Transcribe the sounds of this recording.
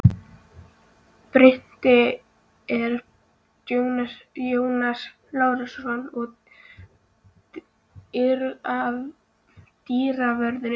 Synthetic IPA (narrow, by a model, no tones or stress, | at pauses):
pɾɪn̥t̪ɪ | ɛɾ | t̪jow̪ajoːwnas | laːwɾasɔnɔɣ | ɪɾav | t̪iːɾavɛɾðʏ